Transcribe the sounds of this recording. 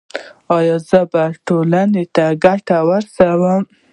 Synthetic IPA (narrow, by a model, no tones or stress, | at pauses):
ɑjɑzəbaʈolanet̪aɡaʈawəɾsawəm